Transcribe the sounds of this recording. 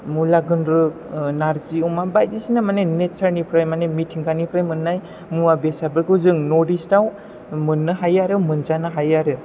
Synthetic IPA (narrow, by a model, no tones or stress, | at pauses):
mulaɡɯnɾɯ | naɾziumabajdisinamanenet̚saɾnipʰɾajmanemitʰiŋkʰanipʰɾajmɯnːaj | muabesabɯɾkɯzɯŋnodistaw | mɯnːɯɦajaɾɯmɯnzanɯɦajaɾɯ